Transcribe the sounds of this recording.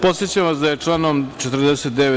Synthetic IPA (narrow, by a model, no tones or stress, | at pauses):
po̞t̪set͡ɕamʋasd̪ajet͡ʂlaːnomt͡ʃet̪ɾ̩d̪eset̪d̪ee